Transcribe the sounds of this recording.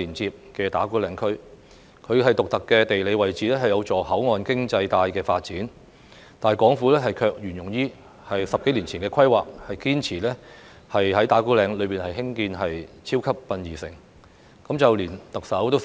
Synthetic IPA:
iː˨˩nt͡siː˧p̚kɛː˧t̪a̰ː˨˥kuː˥lɛː˨˧ŋkʰɵ˥ɥ | kʰɵ˨˧ɥɦɐ˨jt̪ʊ˨k̚t̪ɐ˨kːɛː˧t̪e˨jle˨˧jwɐ˨jt͡siː˨lɛː˥hɐ˨jɐ˨˧wt͡sɔː˨˩hɐ˨˥wŋɔː˨nkɪ˥ŋt͡sɐ˧jt̪aː˧jkɛː˧faː˧t̚t͡siː˨˥n | t̪aː˨n˨jkʷɔː˨˥ŋfuː˨˥lɛː˥ɦɐ˨jkʰœː˧k̚jyː˨˩njʊ˨˩ŋjiː˥ | hɐ˨jsɐ˨p̚ke˨˥jliː˨˩nt͡sʰiː˨˩nkɛː˧kʰɐ˥jwaː˨k̚hɐ˨jkiː˥nt͡sʰiː˨˩lɛː˥ | hɐ˨jhɐ˨˥jt̪aː˨˥kuː˥lɛː˨˧ŋlɵ˨˧ɥpiː˨nhɐ˨jhɪ˥ŋkiː˧nɦɐ˨jt͡sʰiː˥wkʰɐ˥p̚ːɐ˧njiː˨˩sɪ̰˨˩ŋ | kɐ˨˥mt͡sɐ˨wliː˨˩nt̪ɐ˨k̚sɐ˨˥wt̪o˥

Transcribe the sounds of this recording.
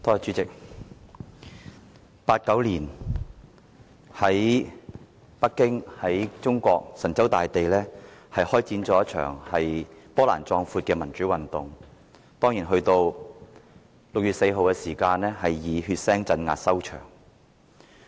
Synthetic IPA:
t̪ʰɔː˧t͡ʃyː˨˥t͡sɪ˨k̚ | paː˧t̚kɐ˨˥wliː˨˩n | hɐ˨˥j | pɐ˥kːɪ˥ŋhɐ˨˥jt͡sʊ˥ŋkʷɔː˧k̚sɐ˨˩nt͡sɐ˨˥wt̪aː˨jt̪e˨jlɛː˥hɐ˨jhɔː˥jt͡siː˨˥nt͡sɔː˨˥jɐ˥t̚t͡ʃʰœ̰ː˨˩ŋhɐ˨jpɔː˥la̰ː˨˩nt͡sɔː˧ŋfuː˧t̚kɛː˧mɐ˨˩nt͡ʃyː˨˥wɐ˨nt̪ʊ˨ŋ | t̪ɔː˥ŋjiː˨˩nɦɵ˧ɥt̪o˧w | lʊ˨k̚ɥyː˨t̚se˧jɦo˨wkɛː˧siː˨˩kaː˧nlɛː˥hɐ˨jːiː˨˧hyː˧t̚sɛː˥ŋt͡sɐ˧nŋa̰ː˨t̚sɐ˥wt͡ʃʰœ̰ː˨˩ŋ

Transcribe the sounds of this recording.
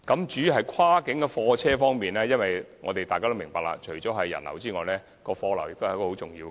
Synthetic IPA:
kɐ˨˥mt͡ʃyː˨˥˨ɦɐ˨jkʷʰwaː˥kɪ˨˥ŋkɛ˧fɔː˧t͡sʰɛː˥fɔː˥ŋmiː˨nlɛː˥jɐ˥nwɐ˨jŋɔ̰ː˨˧t̪e˨jtaː˨jkaː˥t̪o˥mɪ˨˩ŋ˩paː˧k̚la̰ː˧t͡ʃʰɵ˨˩ɥt͡ɕɔː˨˥wɦɐ˨jːɐ̰˨˩nlɐ̰˨˩wt͡siː˥ŋɔː˨˧jlɛː˥ | kɔː˧fɔː˧lɐ˨˩wjɪ˨k̚t̪hjkɔ˧ho˨˥wt͡sʊ˨˩ŋjiː˧w

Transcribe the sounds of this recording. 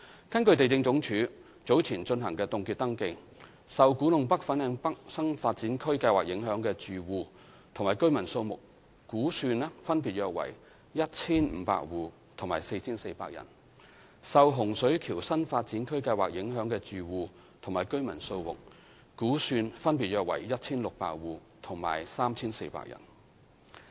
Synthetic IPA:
kɐ˥nkɵ˧ɥt̪e˨jt͡sɪ˧ŋt͡sʊ˨˥ŋt͡ʃʰyː˨˥ | t͡so˨˥wt͡sʰiː˨˩nt͡ʃɵ˧nɦɐ˨˩ŋkɛː˧t̪ʊ˨˧ŋkiː˧t̚t̪ɐ˥ŋkɪ˧ŋ | sɐ˨wkuː˨˥nʊ˨ŋpɐ˥k̚fɐ˨˥nɛː˨˧˥ŋpɐ˥k̚sɐ˥nfaː˧t̚t͡siː˨˥nkʰɵ˥ɥkɐ˧jwaː˨k̚jɪ˨˥ŋɦœː˨˥ŋkɛː˧t͡syː˨wuː˨˧ | t̪ʰʊ˨ŋmaː˨˩jkɵ˥mɐ˨˩nso˧wmʊ˨k̚ | kuː˨˥syː˧n˥fɐ˥npiː˨t̚jœː˧k̚wɐ̰˨˩j | jɐ˥t̚t͡sʰiː˥nm̩˨˧˥pa̰ː˧˥k̚wuː˨˧ | t̪ʰʊ˨˩ŋmaː˨˩jse˧jt͡sʰiː˥nse˧jpa̰ː˧k̚jɐ̰˨˩n | sɐ˨˧wɦʊ˨˩ŋsɵ˨˥ɥkʰiː˨˩wsɐ˥nfaː˧t̚t͡siː˨˥nkʰɵ˥ɥkɐ˧jwaː˨k̚jɪ˨˧˥ŋɦœː˨˥ŋkɛː˧t͡ʃyː˨wuː˨˧ | t̪ʰʊ˨˩ŋmaː˨˩jkɵ˥ɥmɐ˨˩nso˧wmʊ̰˨k̚ | kuː˨˥syː˧nfɐ˥npi˨t̚jœː˧k̚wɐ̰˨˩jjɐ˥t̚t͡sʰiː˥nlʊ˨k̚pa̰ː˧k̚wuː˨ | t̪ʰʊ˨˩ŋma̰ː˨˩jsaː˥mt͡sʰiː˥nse˧jpa̰ː˧k̚jɐ̰˨˩n

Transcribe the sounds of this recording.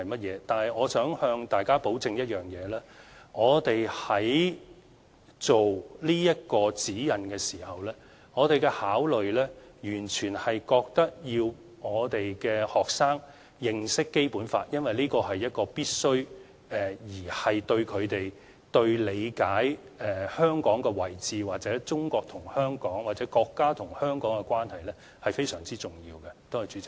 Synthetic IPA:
ɐ˨jmɐ˥t̚jɛː˨˧t̪aː˨nhɐ˨jŋɔː˨˧sœː˨˥ŋhœː˧ŋt̪aː˨jkaː˥po˨˥wt͡sɪ˧ŋjɐ˥t̚jœː˨ŋjɛː˨˧lɛː˥ŋɔː˨˧t̪e˨jhɐ˨˥j | t͡so˨wliː˥jɐ˥t̚kɔː˧t͡siː˨˥jɐ˨nkɛː˧siː˨˩hɐ˨wlɛː˥ | ŋɔː˨˧t̪e˨jkɛ˧haː˨˥wlɵ˨ɥlɛː˥jyː˨˩nt͡ʃʰyː˨˩nhɐ˨jkɔː˧k̚t̪ɐ˥k̚jiː˧w | ŋɔː˨˧t̪e˨jkɛː˧hɔː˨k̚saː˥ŋ | jɪ˧ŋsɪ˥kːe˥jpuː˨˥nfaː˧t̚jɐ˥nwɐ˨jliː˥kɔː˧ɦɐ˨jːɐ˥t̚kɔː˧piː˥t̚sɵ˥ɥ | ɛ˨jiː˨˩hɐ˨jt̪ɵ˧ɥkʰɵ˨˧ɥt̪e˨j | t̪ɵ˧ɥle˨˧jkaː˨˥j | ɛː˨˩hœː˥ŋkɔː˨˥ŋkɛ˧wɐ˨˩jt͡siː˨waː˨t̚t͡sɛː˨˥t͡sʊ˥ŋkɔː˧k̚t̪ʰʊ˨˩ŋhœː˥ŋkɔː˨˥ŋwaː˨t̚t͡sɛː˨˥kɔː˧kːaː˥t̪ʰʊ˨˩ŋhœː˥ŋkɔː˨˥ŋkɛ˧kwaː˥nhɐ˨jlɛː˥ | hɐ˨jfe˥jsœː˨˩ŋt͡siː˥t͡sʊ˨˩ŋjiː˧wkɛ˧t̪o˥whɐ˨jt͡ʃyː˨˥t͡sɪ˨k̚

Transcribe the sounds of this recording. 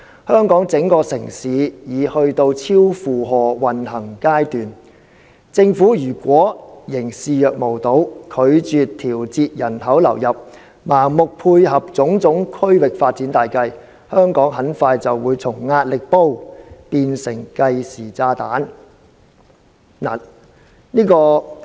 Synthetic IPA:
hœː˥ŋkɔː˨˥ŋt͡sɪ˨˥ŋkɔː˧sɪ˨˩ŋsiː˨˧jiː˨˧hɵ˧ɥt̪o˧wt͡sʰiː˥wfuː˨ɦɔː˨wɐ˨nhɐ˨˩ŋkaː˥jt̪yː˨˩n | t͡sɪ˧ŋfuː˨˥jyː˨˩kʷɔː˨˥jɪ˨˩ŋsiː˨jœː˨k̚mo˨˩wt̪o˨˥wkʰɵ˨˧ɥt͡ʃyː˨tt̪ʰiː˨˩wt͡siː˧t̚jɐ˨˩nhɐ˨˥wlɐ̰˨˩wjɐ˨p̚ | maː˨˩ŋmʊ˨k̚pʰuː˧jɦɐ˨p̚t͡sʊ˨˥ŋt͡sʊ˨˥ŋkʰɵ˥ɥwɪ˨k̚faː˧t̚t͡siː˨˥nt̪aː˨jkɐ˧j | hœː˥ŋkɔː˨˥ŋɦɐ˨˥nfaː˧jt͡sɐ˨wːuː˨˧jt͡sʰʊ˨˩ŋːaː˧t̚lɪ˨k̚po˥wpiː˧nsɪ˨˩ŋkɐ˧jsiː˨˩t͡saː˧t̪aː˨˥n | naː˨˩ | niː˥kɔː˧

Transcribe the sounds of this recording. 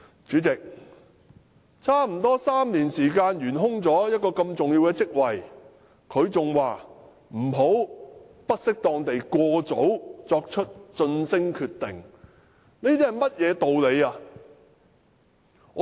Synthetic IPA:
t͡ʃyː˨˧˥t͡sɪ˨k̚ | t͡sʰaː˥m̩˨˩t̪ɔː˥saː˥mniː˨˩nsiː˨˩kaː˧nɥyː˨˩nɦʊ˥ŋt͡sɔː˨˥jɐ˥t̚kɔː˧kɐ˧mt͡sʊ˨ŋji˧wkɛː˧t͡sɪ˥k̚wɐ˨j | kʰɵ˨˧ɥt͡sʊ˨ŋwaː˨ | m̩˨˩ɦo˨˥w | pɐ˥t̚sɪ˥k̚t̪ɔː˧ŋt̪e˨jkʷɔː˧t͡so˨˥wt͡sɔː˧k̚t͡ʃʰɵ˥t̚t͡ʃɵ˧nsɪ˥ŋkʰyː˧t̪ːɪ˨˩ŋ | niː˥t̪iː˥hɐ˨˩jmɐ˥t̚jɛː˨˧t̪o˨wle˨˧jaː˧˨˧

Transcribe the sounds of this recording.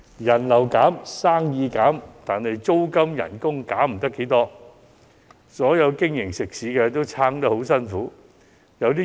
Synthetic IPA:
jɐ˨˩nlɐ˨˩wkaː˨˥msaː˥ŋjiː˧kaː˨˥mt̪aː˨nhɐ˨jt͡so˥wkɐ˥mjɐ̰˨˩nkʊ˥ŋkaː˨˥m̩˨˩t̪ɐ˥kːe˨˥jt̪ɔː˥ | sɔː˨˥jɐ˨˧wkɪ˥ŋjɪ˨˩ŋsɪ˨˩k̚siː˨˥kɛ˧t̪o˥wt͡sʰaː˥ŋt̪ɐ˥ho˨˥wsɐ˥nfuː˨˥ | jɐ˨˧wt̪iː˥

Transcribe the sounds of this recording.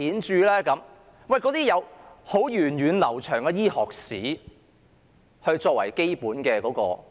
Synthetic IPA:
iː˨˥nt͡ʃyː˧lɛː˥kɐ˨˧m | wɐ˨˩jkɔː˨˧t̪iː˥jɐ˨˧who˨˥wjyː˨˩njyː˨nlɐ˨˩wt͡ʃʰœː˨˩ŋkɛ˧jiː˥hɔː˨k̚siː˨˥ | hɵ˧ɥt͡ʃɔː˧k̚wɐ̰˨˩jke˥jpuː˨˥nkɛː˧kɔː˨˧˥kɔ̰ː˧

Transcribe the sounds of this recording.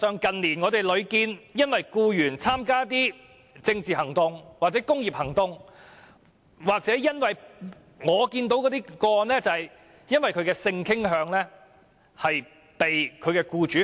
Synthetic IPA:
sœː˨˧ŋkɐ˨nliː˨˩nŋɔː˨˧t̪e˨jlɵ˨˧ɥkiː˧njɐ˥nwɐ˨jkuː˧jyː˨˩nt͡sʰaː˥mkaː˥t̪̬iː˥ | t͡sɪ˧ŋt͡siː˨˩hɐ˨˩ŋt̪ʊ˨ŋwaː˨k̚t͡sɛː˨˥kʊ˥ŋjiː˨p̚hɐ˨˩ŋt̪ʊ˧ŋ | waː˨k̚t͡sɛː˨˥jɐ˥nwɐ˨j | ŋɔː˨˧kiː˧nt̪̬o˨˥wkɔː˨˧˥t̪iː˥kɔː˧˨nlɛː˥t͡sɐ˨hɐ˨˩j | jɐ˥nwɐ˨jkʰɵ˨˧ɥkɛː˧sɪ˧ŋkʰɪ˥ŋɦœː˨˧ŋlɛː˥ | hɐ˨j | pe˨jkʰɵ˨˧ɥkɛː˧kuː˧t͡ʃyː˨˥

